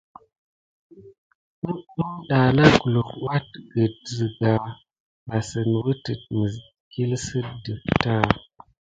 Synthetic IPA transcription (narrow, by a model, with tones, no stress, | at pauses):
ə˦ə˦nɗa˨na˦ku˨lu˨kwa˦t̚ɡə˨t̚zə˨ɡa˨ | ba˨sə˨nwə˦tə˨t̚mə˨z | ki˦lsə˦də˨ta˦